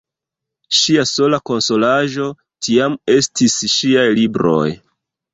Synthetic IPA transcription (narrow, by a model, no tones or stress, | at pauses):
ʃiaso̞lako̞nso̞laʒo̞ | tiame̞stisʃiajlibɾo̞̰j